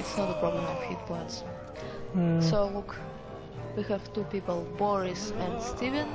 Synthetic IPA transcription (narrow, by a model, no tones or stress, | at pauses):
ɪtsnɔtəpʰɹ̥ɔblə̃mɔv̥hit̚pʰɔ̃ɪnts | solʊk | wihɨv̥tupipəl̩ˠbɔɹɪsɛ̃ndstivɨ̃n